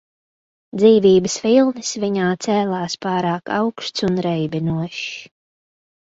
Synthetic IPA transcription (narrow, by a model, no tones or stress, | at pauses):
d̪ziːviːbəsfilˠnɨsviɲaːt̪sɛːlˠaːspaːɾaːka̰wkʃt̪sunɾɛjbinuɔʃ